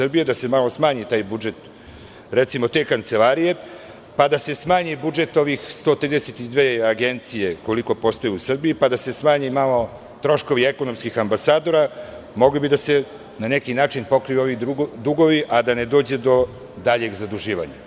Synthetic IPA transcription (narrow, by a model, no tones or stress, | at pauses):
sr̩bijed̪ase̞malosmaːɲit̪aːjbud͡ʒe̞t̪ | ɾet̪simo̞t̪e̞ːkant̪se̞laːɾije̞ | pad̪ase̞smaːɲibud͡ʒe̞t̪o̞ʋixst̪o̞ːt̪ɾiːd̪eset̪id̪ʋeːaɡe̞nt̪sije̞ko̞liko̞po̞st̪ojeusr̩bijipad̪ase̞smaːɲimalo̞ | t̪ɾo̞ʃko̞ʋie̞ko̞no̞mskixambasaːd̪o̞ɾa | mo̞ɡlibid̪ase̞ | nanekinaːt͡ʃinpo̞kɾiʋio̞ʋid̪uɡo̞ʋiʔad̪aned̪o̞ːd͡ʑe̞d̪o̞ | d̪aʎe̞ɡzad̪uʒiːʋa̰ɲa̰